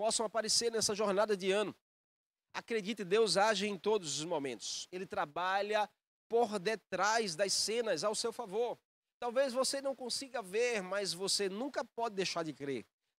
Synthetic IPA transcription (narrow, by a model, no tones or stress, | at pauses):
pɔsɐ̃w̃apaɾeseɾnɛsɐʒoɾnad̪ɐd̪ɪɐ̃nʊ | a̰kɾed͡ʒit̪ɪd̪ewzaʒɪẽj̃t̪od̪ʊzʊzmomẽnt̪ʊ̥selɪt̪ɾabaʎɐ | poɾd̪et̪ɾajzd̪ɐsẽnɐzawsewfavoɾ | t̪awvezvosenɐ̃w̃kõsiɡɐveɾmɐjzvosenũŋkɐpɔd͡ʒɪd̪ejʃaɾd͡ʒɪkɾeɾ